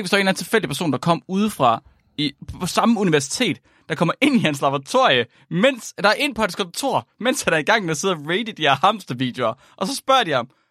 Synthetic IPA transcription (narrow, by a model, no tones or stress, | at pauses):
ɡ̥ʋisdɒe̝nln̩t͡sʰe̝lfel̰d̥ipʰæɐso̰ːnd̥ɑ̈kʰɒ̽m̰uð̞ˠfʁɑ̈ | ipʰɒ̽sɑ̈məuniʋæɐsi̥t͡sʰe̝̰ːd̥ | d̥ɑ̈kʰɒ̽mɐʔe̝n̰ihenslɑ̈b̥ʁt͡sʰo̝ɐ̰jə | men̰sd̥ɑ̈æɐʔe̝n̰pʰɒ̽edskʰɒ̽nt͡sʰo̝̰ɐ̰men̰shænæɐiɡ̥ɑ̈ŋ̰meæse̝ð̰ˠɐʁeɪd̥əd̥ihæɐhɑm̰sd̥ɐʋḭd̥joɐ | ʔɒ̽sɒ̽sb̥ɶɐ̰d̥ihɑ̈m